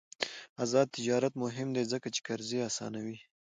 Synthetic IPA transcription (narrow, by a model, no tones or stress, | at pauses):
azɑd̪̚t̪ɪd͡ʒɑɾat̪mʊɦɪmd̪ezəkat͡ʃe̥kaɾzeasɑ̰nawi